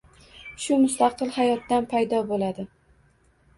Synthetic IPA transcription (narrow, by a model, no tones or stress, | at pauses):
ʃʊmʊst̪ʰɑqʰɨlˠhajɒt̪d̪anpʰajd̪ɒbolad̪ɪ